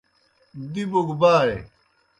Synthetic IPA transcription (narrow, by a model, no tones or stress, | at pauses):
d̪iboɡbaːɾe